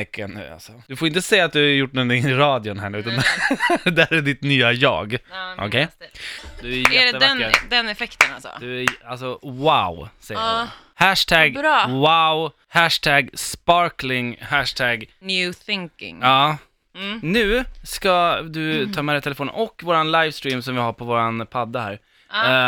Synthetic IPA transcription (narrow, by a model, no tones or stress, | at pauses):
ɛkʰːanʉ̰ːa̰lsɔd̪̥ɵfoːɾɪnt̪əsɛjːat̪̚d̪ɵhaɾjʊʈːnɔnt̪ɪŋɪɾɑːd̪jʊnɦæːnɳʉːt̪andd̪æɾæɖɪt̪nyːajɑ̰ːɡʔɔ̰kʰɛj | d̪ɵæɾjjjɛɖɛːəvaɛnd̪ɛnɛfɛkt̪ənasɔ̰d̪ɵæalsɔwaʊsɛjːə | hæʂt̪ʰæɡɾwaʊ | hæʂʈ̪ʰæɡspɑɾklɪŋhæʂʈ̪ʰæɡnjʉːθɪŋkɪ̰ŋɑː | nʉ̟ːskad̪ɵt̪ʰɑːmɛːd̪ɛjt̪ʰɛləfoːn̰nʔɔkːvoːɾanlajvst̪ɾiːmsɔmvɪhaɾpʰɔvoːɾanpʰad̪ːəhæ̰ːɾ